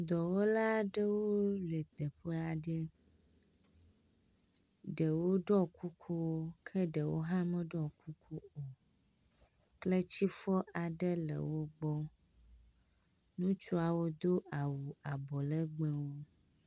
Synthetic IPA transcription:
d̪ɔ˨wo˦la˦ɖə˦woo˦le˨t̪ə˨ɸe˦a˨ɖə˦ | ɖə˨wo˦ɖɔ˦kʰu˦kʰu˦wo˦kʰə˦ɖə˨wo̰˦ɦã˦mə̃˦ɖɔ˦ku˦kʰu˦o˨ | kle˦t͡ɕi˦fɔ˦ʔa˨ɖə˦lə̰˨wo˦ɡ͡bɔ˦ | nũ˦t͡ʃu˦a˨wo˦d̪o˦ʔa˨wu˨a˨bɔ˨lə˦ɡ͡be˦wo˦

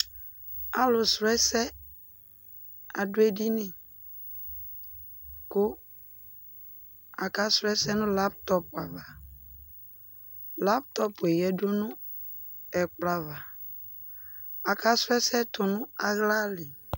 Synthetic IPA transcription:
a˨lʊ˨sɾɛ˦sɛ˦ | a˨dʊ˦e˦di˦nɪ̃˨ | kʊ˦ | a˨ka˨˦sɾɛ˦sɛ˦nʊ̃˦la˦p̚t̪ɔ˦pa˨va˨ | la˦p̚tɔ˦pʊ˨ɛ˨jɛ˨do˦nʊ̃˦ | ɛ˨k͡pla˨va˨ | a˨ka˦sɛ˦sɛ˦tʊ˨nʊ̃˦a˨ɣla˦lɪ˨

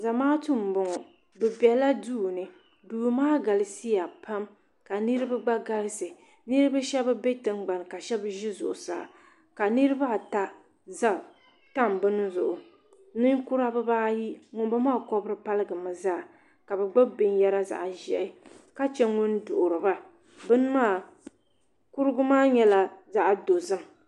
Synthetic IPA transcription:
za˨maː˦tʊ˦˨m˨bʊ˨ŋɔ˨ | bɛ˨bɛ˨la˦duː˦˨nɨ˨ | duː˨maː˦ɡa˨lɪ˨si˦ja˨pʰa˦m | ka˨nɨ˦ɾɨ˦ba˦ɡ͡ba˦ɡa˦lɪ˦sɨ˨ | nɨ˦ɾɨ˦ba˦ʃɛ˦ba˦be˦tɨ˦ŋɡ͡ba˨n˨ka˨ʃɛ˦bɨ˦ʒɪ˦zʊ̰˨ʔʊ˨sa̰˨ | ka˨nɨ˦ɾɨ˦ba˦˨ta˦ | za˦ | ta˦˨mbɨ˦n˦zʊ˨ʔʊ˨˦ | nɨ˦ŋ˦ku˦ɾa˦bɨ˦baː˦ji˦ŋʊ˦n˦bɨ˦maː˦˨kɔ˦bɨ˦ɾɨ˦pa˦lɨ˦ɡɨ˨mɨ˨zaː˦˨ | ka˨bɛ˨ɡ͡ba˦bɪ˨n˦jɛ˦ɾa˦za̰˨ʔʒɛ˨ʔɪ˦ | ka˦t͡ʃɛ˦ŋʊ˦ndʊ˨ʔʊ˨ɾɨ˨ba˦ | bɨ˦n˦maː˦˨ | ku˦ɾɨ˦ɡʊ˦maː˦ɲɛ˦la˦za˦ʔdo˨zɨ˦m

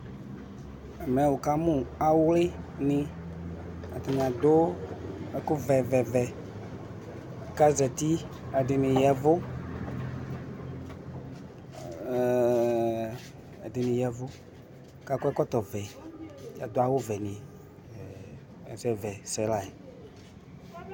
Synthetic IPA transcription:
ɛ˨mɛ̃˨˦wo˨ka˦mũ˦˨a˨wlɪ˦nɪ̃˦ | a̰˨t̪a˨mĩ˨ã˨d̪o˦ | ɛ˦kʊ˦vɛ˨vɛ˨vɛ˨ | ka˦zɛ˨t̪i˦ | ɛ˨dɪ˨nɪ̃˨jɛ˨vʊ˦˨ | ɛ˨dɪ˨nɪ̃˨jɛ˨vʊ˦ | ka˦kɔ˦ɛ˦kɔ˦t̪ɔ˨vɛ˨ | a̰˨d̪o˦a˨wo˦vɛ˨nɪ̃˨ | ɛ̰˨zɛ˨vɛ˨sɛ˨˦la˨e˨

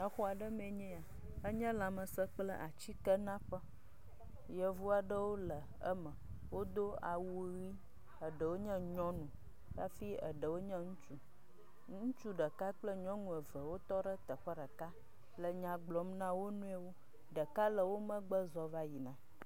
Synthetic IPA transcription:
ə˨xɔ˦a˨ɖə˦mɛ̃˨ɲɛ̃˦a˨ | ə˦ɲɛ̃˦la˨mə̃˨sə˦k͡plə̰˦ʔa˨t͡ɕi˦kə˦nã˦ɸə˦ | jə˨vu˦a˨ɖə˦wo˦lə˨˦ | mə̃˨ | wo˦d̪o˦a̰˨wu˦ɣi˦ | ə˨ɖə˨wo˦ɲɛ̃˦ɲɔ̃˦nũ˨ | ka˦fi˦ə̰˨ɖə˨wo˦ɲɛ̃˦ŋũ˦t͡ʃu˦ | ŋŋũ˦t͡ʃu˦ɖə˨ka˦k͡plə˦ɲɔ̃˦nũ˨ə˨və˨wo˦t̪ɔ˦ɖə˦t̪ə˨ɸə˦ɖə˨ka˦ | lə˨ɲã˨ɡ͡blɔ˨mnã˦wo˦nũ˦e˦wo˦ | ɖə˨ka˦lə˨wo˦mə̃˦ɡ͡bə˦zɔ˨va˦ji˨nã˨

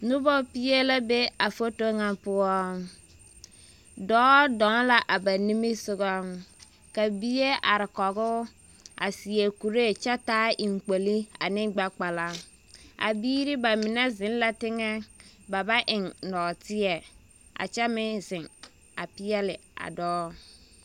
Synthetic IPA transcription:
nʊ˦bɔ˦pɪ˦jɛ˦la˦be˦a˨fo˦to˦ŋa˦pʊ˦ɔ˦ | dɔː˦dɔ˨˦ŋ˦la˨ʔa˨ba˨ni˦mi˦sʊ˦ɣɔ˦ | ka˨bi˦je˦ʔa˨ɾɪ˨kɔ˨ɡʊ˦ | a̰˨si˨ɛ˨ku˨ɾe˦˨t͡ʃɛ˦taː˦ʔi˨ŋ˨k͡po˨li˦a̰˨nɪ˦ŋɡ͡ba˦k͡pa˨la˦ | a̰˨biː˦ɾɪ˦ba˨mɪ˨nɛ˦zɪ˨˦n˦la˦tɪ˦ŋɛ˦ba˨ba˦ʔɪ˨ŋnɔ˨tɪ˦ɛ˨ | a̰˨t͡ʃɛ˦mɪ˦zɪ˨ŋ | a˨pɪ˦ɛ˦lɪ˨a̰˨dɔː˦

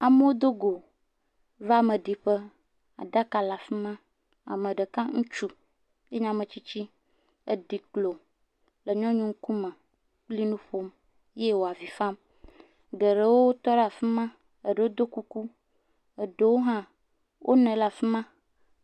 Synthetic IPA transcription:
a˨mə˦wo˦d̪o˦ɡo˨ | va˦˨mə̃˨ɖi˨ɸə˦ | a̰˨ɖa˦ka˨la˨fi˦mã˦ | a̰˨mẽ˨ɖə˨kã˦ŋũ˦t͡ʃu˦ | je˦ɲã˦mẽ˨t͡ɕi˦t͡ɕi˦ | e˦ɖi˨klo˨ | lə˨ɲɔ̃˦ɲũ˦ŋ̩˦ku˦mə̃˨ | k͡pli˦nũ˦ɸo˦m | je˦wo˨a˨vi˨fa˦m | ɡe˨ɖe˦wo˦o˦t̪ɔ˦ɖa˨fi˦mã˦ | ə˨ɖe˨wo˦d̪o˦ku˦ku˦ | ə˨ɖe˦wo˦ɦã˦ | wʔo̰˦nɛ̃˨la˨fi˦mã˦

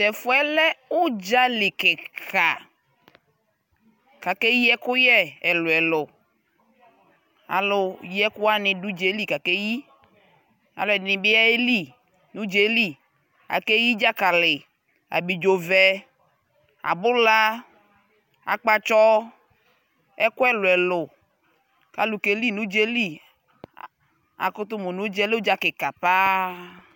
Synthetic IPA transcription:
tɛ˨fʊ˦ɛ˦lɛ˦ʊ˦d͡ʒa˦lɪ˨kɛ˨ka˨ | ka˨ke˦ji˦ɛ˦kʊ˦jɛ˦ɛ˨lʊ˨ɛ˨lʊ˨ | a̰˨lʊ˨ji˦ɛ˦kʊ˦a˦nɪ̃˨du˦d͡ʒe˨˦li˦ka˨ke˦ji˦ | a̰˨lʊ˨ɛ˨nɪ̃˨bɪ˦a˦e˦li˦ | nũ˦d͡ʒe˨˦li˦ | a̰˨ke˦ji˦d͡ʒa˦ka˨lɪ˨ | a̰˨bi˨d͡ʒo˨vɛ˨ | a̰˨bʊ˦la˦ | a̰˨k͡pa˦t͡ʃɔ˦ | ɛ˦kwɛ˦lʊ˨ɛ˨lʊ˨ | ka˨lu˨ke˨˦li˦nũ˦d͡ʒe˦li˦ | a̰˨kʊ˦t̪ʊ˦mo˨nũ˨˦d͡ʒɛ˦le˦d͡ʒa˦kɪ˨ka˨pa˦

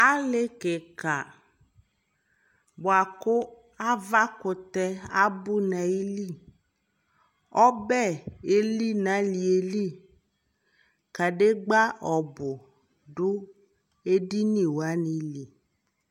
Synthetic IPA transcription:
a˦le˦ke˨ka˨ | bʊ˨a˨kʊ˦ | a˦va˦kʊ˨t̪ɛ˦a˦bʊ˦nã˨i˦li˦˨ | ɔ˦bɛ˦˨e˨li˦nã˨˦li˨e˨li˦ | ka˨ɖe˦ɡ͡ba˦ɔ˨bʊ˨ | ɖʊ˦ | e˦di˦nĩ˦˨wa˦nĩ˨˦li˨

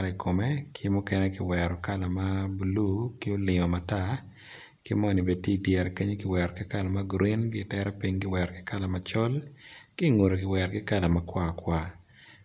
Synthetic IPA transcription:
la˨i˨kʰo˨me˦kʰɪ˦mu˦kɛ˦nɛ˦kɪ˨wɛɾɔ˨ka˦la˨ma˦bu˨lu˦kɪ˦o˦lɪ˨ŋɔ˨ma˨ta˦ | kɪ˦mɔ˦ni˨be˨d̚tje˦˨djɛ˨ɾɛ˨ke˦ɲe˦kɪ˨wɛ˨ɾkɪ˦ka˦la˨ma˦ɡɾi˦nɡɪ˦tɛ˦ɾɛ˦pi˦ŋɡɪ˦wɛ˨ɾkɪ̥˦ka˦la˨mat͡ʃɔ˦l | kɪ˦ŋo˨ɾo˨kɪ˨wɛ˨ɾkɪ˦ka˦la˨makwa˦˨kwa˦

